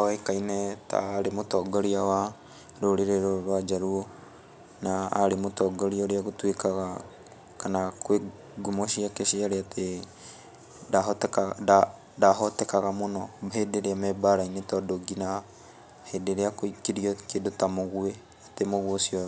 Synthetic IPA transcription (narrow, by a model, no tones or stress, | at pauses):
aaikainɛta̰ɾemotɔɡɔɾiawa | ɾoɾeɾeɾoɾwad͡ʒaɾuo | na̰ːɾemotɔɡoɾiɔɾeaɣotwekaɣa | kanakwe | ɡomoʃiakeʃiaɾeate | datkda | daɦɔtɛkaɣamonɔhedeɾeamɛbaɾainetɔdoɡina | hedeɾeakkiɾiɔkedotamoɣwe | atemoɣwosiɔ